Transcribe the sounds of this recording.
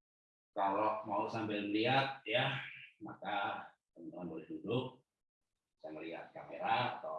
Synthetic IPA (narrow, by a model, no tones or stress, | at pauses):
kaloʔmausampɪlməliɦat̪̚jamaka | t̪əmt̪uŋanbolɛhdudʊk̚ | saŋməliɦa̰t̪̚kameɾa̰ːt̪a